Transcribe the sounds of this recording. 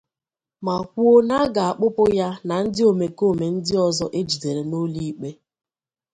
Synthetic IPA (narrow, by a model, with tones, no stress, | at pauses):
ma˨kʷu˦o˦na˦ɡa˨a˨k͡pʊ˦pʊ˦ja˦na˨n̩˦dɪ˦o˨me˨ko˦˨me˨n̩˦dɪ˦ɔ˨zɔ˦ʔe˦d͡ʒi˨de˨ɾe˨no˦li˦i˦k͡pe˦